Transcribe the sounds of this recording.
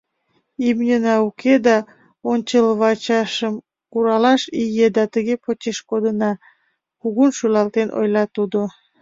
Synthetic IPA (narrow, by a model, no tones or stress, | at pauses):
imnʲənɑukʰed̪ɑ | onʲt͡ɕəlβɑt͡ɕɑʃəm | kuɾɑlɑʃijed̪ɑt̪əɣepot͡ɕeʃkod̪ənɑ | kuɣunʃylɑlt̪enʔo̰jlɑt̪ud̪o